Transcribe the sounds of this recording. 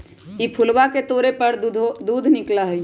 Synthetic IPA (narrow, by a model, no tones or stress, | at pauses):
ipʰʊlwaket̪oːɾepəɾd̪uːd̪ʱnɪklaɦi